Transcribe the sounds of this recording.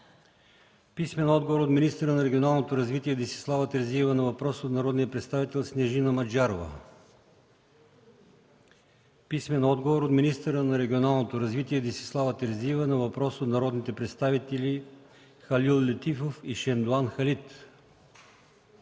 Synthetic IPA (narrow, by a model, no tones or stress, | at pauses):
pismɛnɔd̪ɡovoɾot̪minist̪əɾənɐɾɛɡʲionalˠnot̪oɾɐzvit̪iɛd̪isi̥slˠavət̪ɛɾziɛvənɐvɐpɾɔsot̪nɐɾɔd̪nijəpɾɛt̪st̪avit̪ɛlˠsnɛʒinɐmɐd͡ʒaɾovə̰ | pismɛnɔd̪ɡovoɾot̪minist̪əɾənɐɾɛɡʲionalˠnot̪oɾɐzvit̪iɛd̪isi̥slˠavət̪ɛɾziɛvənɐvɐpɾɔsot̪nɐɾɔd̪nit̪ɛpɾɛt̪st̪avit̪ɛli | xɐlʲilˠːɛt̪ifofiʃɛnd̪oanxɐlit̪